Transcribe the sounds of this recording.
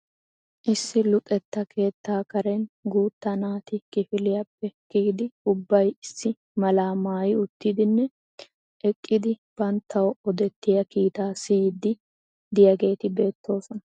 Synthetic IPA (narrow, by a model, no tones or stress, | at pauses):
ʔɪsːɪlʊkʼɛt̪ːɐkʰe̞ːt̪ːaːkɐɾɛnɡuːt̪ːɐnaːt̪ɪkɪfɪlɪjɐpːɛkːɡd̪ɪʊbːɐjɪsːɪ | mɐlaːmaːjɪʊt̪ːɪd̪ɪnːɛ | ʔɛkʼːɪd̪ɪb̥ɐnt̪ʰːɐwɔɔd̪ɛt̪ːɪjɐkiːt̪aːsiːd̪ɪ | d̪ɪjɐɡe̞ːt̪ɪbe̞ːt̪ʰːo̞ːsɔnɐ